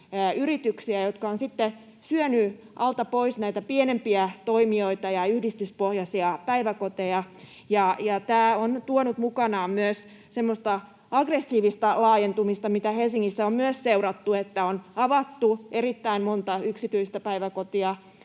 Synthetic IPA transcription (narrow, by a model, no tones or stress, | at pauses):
yrit̪yksiæjot̪kɑonsit̪ːe | syøny | ʔɑlt̪ɑpoisnæit̪æpienempiæt̪oimioit̪ɑjɑyhdist̪yspohjɑsiɑpæiʋækot̪ejɑ | jɑjɑt̪æːont̪uonut̪mukɑnɑːmmyøs | semːost̪ɑ | ɑɡresːiːʋist̪ɑlɑːjent̪umist̪ɑmit̪æhelsiŋːisːæommyøsseurɑt̪ːuet̪ːæonɑʋɑt̪ːuʔerit̪ːæimmont̪ɑyksit̪yist̪æpæiʋækot̪iɑ